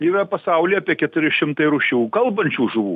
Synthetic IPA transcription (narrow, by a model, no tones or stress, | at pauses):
ɪʋʲɛpɐsɐʊlʲiɐːpʲiɛkʲɛt̪ʊɾʲɪʃʲɪmt̪ɐɪɾʊʃʲuːkɐlˠbɐnʲt͡ʃʲuːʒʊʋuː